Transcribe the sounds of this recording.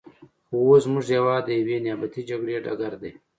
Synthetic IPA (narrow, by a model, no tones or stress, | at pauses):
xoosmuʐjɐwaːd̪əjɐweːnjaːbɐt̪id͡ʒɐɡɾeːʈɐ̰ɡɐɾd̪eː